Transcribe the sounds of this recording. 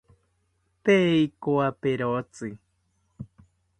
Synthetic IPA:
t̪eikoapeɾot͡sɨ

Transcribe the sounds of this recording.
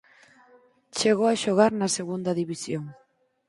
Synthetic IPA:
t͡ʃeɣoaʃoɣ̞aɾnɐseɣund̪ɐðiβisjoŋ

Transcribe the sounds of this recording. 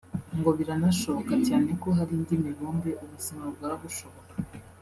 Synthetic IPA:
ŋɡo̞βiɾanaʃoβokacaːne̞koɦaɾindimiβoːmbe̞uβuzimabɡaɾaɡuʃo̞βoɾḁ

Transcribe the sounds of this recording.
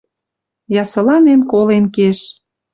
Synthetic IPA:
jɑsɤ̆lɑnenkolenkeʃ

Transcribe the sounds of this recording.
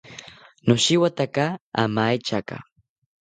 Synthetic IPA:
nʊʃɪwat̪akaa̰majt͡ʃaka̰

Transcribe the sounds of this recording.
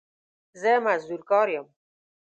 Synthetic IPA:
zemazd̪uɾkɑːɾjɔm

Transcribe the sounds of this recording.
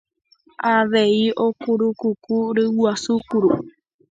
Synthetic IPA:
aʋe̞iʔokuɾukukuɾɨwuasukuɾu

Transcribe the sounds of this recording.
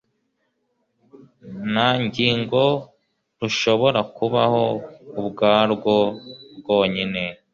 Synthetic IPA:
naːɲɟiːŋɡo̞ | ɾuʃo̞βo̞ɾakuβahoubɡaːɾɡobɡo̞ːɲine̞

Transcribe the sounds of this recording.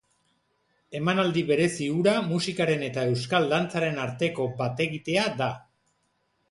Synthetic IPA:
e̞manald̪iβe̞ɾe̞siuɾamusikaɾe̞ne̞t̪ae̞wskald̪ant͡saɾe̞naɾt̪e̞ko̞bat̪e̞ɣit̪e̞ad̪a

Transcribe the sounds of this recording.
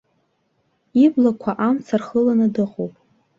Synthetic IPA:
iblakʷʰaʔamt͡sʰarχəlanɨdɨqʼowpʼ

